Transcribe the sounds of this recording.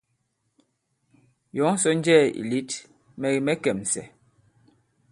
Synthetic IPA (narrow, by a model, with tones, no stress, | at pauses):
jɔ˨˦ŋ˦sɔ˦n˦d͡ʒɛː˦˨ḭ˨li˦t | mɛ˨ɣi˨mɛ˦kɛ˨m˨sɛ̰˨